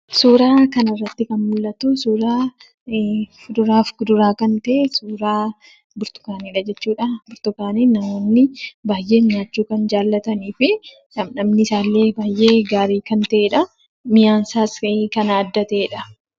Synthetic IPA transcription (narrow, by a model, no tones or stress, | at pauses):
suːɾaːkɐnɪrːɐt̪ːɪkɐnmʊlːɐt̪uːsuːɾaː | fʊd̪ʊɾaːfɡʊd̪ʊɾaːkɐnt̪ɐʔeːsuːɾaː | bʊɾt̪ʊ̥kaːniːᶑɐd͡ʒɛt͡ʃːuːᶑɐbʊɾt̪ʊkaːniːnːɐmoːnːɪbaːjʔe̞ːɲːaːt͡ʃːuːkɐnd͡ʒaːlːɐt̪ɐniːfɪ | nɐmnɐmnɪsaːlːe̞ːbaːjʔe̞ːɡaːɾiːkɐnt̪ɐʔeːᶑɐ | mɪjaːnsaːsɐkɐnaːd̪ːɐt̪ɐeːᶑɐ